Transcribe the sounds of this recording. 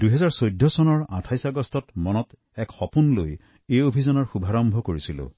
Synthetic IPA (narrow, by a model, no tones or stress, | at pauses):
duɦɛzaɹsojdʱːɔsɔnɔɹa̰tʰajsaɡɔstɔtmɔnɔt | ɛkxɔpunloj | ejobʱizɔnɔɹxubʱaɹɔmbʱɔkoɹisilʊ̰̃